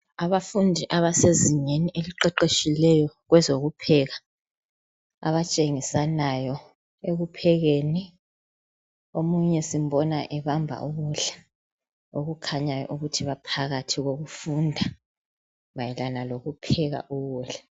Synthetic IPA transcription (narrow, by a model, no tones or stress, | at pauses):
aβafundʱiʔaβaseziɲeniʔeliǃɛǃeʃilɛjɔɣwɛzoɣupʰɛɣa | a̰βat͡ʃʼeŋisanajɔ | eɣupʰɛɣeni | omuɲɛsim̩bɔnaʔɛβambʱa̰ʔuɣuɮḁ | oɣukʰaɲajɔ̰ʔuɣutʰiβapʰaɣatʰiɣoɣufundʱa | βajɛlanaloɣupʰɛɣa̰ʔuɣuɬa